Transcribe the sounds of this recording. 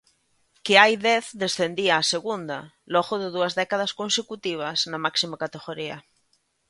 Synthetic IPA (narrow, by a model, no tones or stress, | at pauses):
keajðɛθd̪esθend̪iaːseɣund̪ɐ̰ | lɔɣoðɪðuɐzðɛkaðaskonsekut̪iβ̞ɐsnamaksimakat̪eɣoɾiɐ̰